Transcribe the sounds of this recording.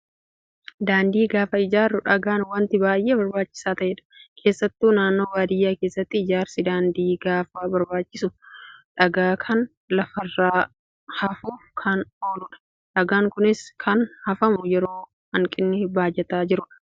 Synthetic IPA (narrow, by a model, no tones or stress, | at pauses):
d̪aːnd̪iːɡaːfɐɪd͡ʒaːrːʊᶑɐɡaːnwɐnt̪ɪbaːjʔeːbɐɾbaːt͡ʃːɪ̥saːt̪ɐʔeːᶑɐ̥kʰe̞ːsːɐt̪ːuːnaːnːo̞ːbaːd̪ɪjːaːke̞ːsːɐt̪ːɪɪd͡ʒaːɾsɪd̪aːnd̪iːɡaːfaːbɐɾbaːt͡ʃːɪsʊᶑɐɡaːkʰɐn | lɐfɐrːaː | hɐfuːfkʰɐno̞ːlʊᶑɐ̥ | ᶑɐɡaːŋkʊnɪskʰɐnhɐfɐmʊjɛɾo̞ː | hɐŋkʼɪnːɪbaːd͡ʒːɛt̪aːd͡ʒɪɾʊᶑɐ̥